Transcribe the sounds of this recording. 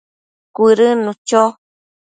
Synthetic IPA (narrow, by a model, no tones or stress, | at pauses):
kʷiɾɨnũt͡ʃo